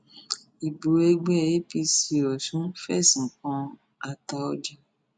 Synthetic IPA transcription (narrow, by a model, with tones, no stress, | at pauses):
i˨bo˨e˧ɡ͡bɛ˦˨je˦pi˧si˨ɾɔ˨ʃũ˨˦fɛ̰˦˨sĩ˨kɔ̃˧ | a˧ta˧ɔ˧d͡ʒa˧